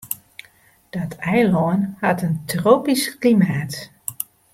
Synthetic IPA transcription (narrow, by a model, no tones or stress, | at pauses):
d̥ɔtʰɛjlɔənhɑtəntroːpisklimaːt